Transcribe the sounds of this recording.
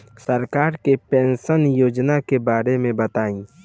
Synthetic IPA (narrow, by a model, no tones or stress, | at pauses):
səɾkaːɾkepẽːnʃənjoːd͡ʒnakebaːɾemẽbət̪aːĩː